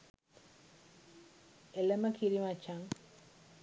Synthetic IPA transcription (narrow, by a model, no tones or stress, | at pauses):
eləməkiɾimat͡ʃaŋ